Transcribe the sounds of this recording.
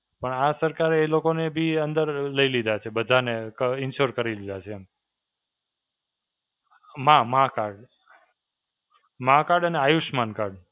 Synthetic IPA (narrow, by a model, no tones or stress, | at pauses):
pəɳasəɾkaɾelokonebʱiənd̪əɾləilid̪ʱat͡ʃʰebəd̪ʱanekəɪnʃoɾkəɾilid̪ʱat͡ʃʰe | mãmãkaɾɖ | mãkaɾɖəneajuʃmankaɾɖ